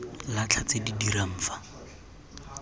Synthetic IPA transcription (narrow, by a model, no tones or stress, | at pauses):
lat͡ɬʰat͡sedidiɾam̩ːfḁ